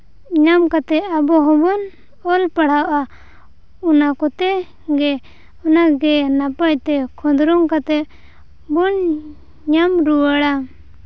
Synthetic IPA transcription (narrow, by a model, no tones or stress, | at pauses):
ɲamkat̪ɛʔabɔɦɔbɔn | ɔlpaɽ̤awʔa | unakɔt̪ɛ | ɡɛ | ɔnaɡɛnapac̚t̪ɛkʰɔ̃d̪ɾɔŋkat̪ɛʔ | bun | ɲamɾuwaɽa